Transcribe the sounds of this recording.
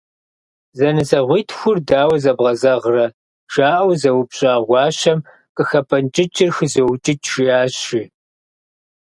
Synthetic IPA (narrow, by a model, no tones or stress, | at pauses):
zɐnɨzɐʁʷiːtʰxʷʊrdaːwɐzɐbʁɐzɐʁrɐ | ʒ̥aːʔɐwzɐwpɕʼaːʁʷɑːɕɐm | qʼəxɐpʰɐnt͡ʃʼɪt͡ʃʼɪrxɨzɐwt͡ʃʼɪt͡ʃʰʒiaːɕiː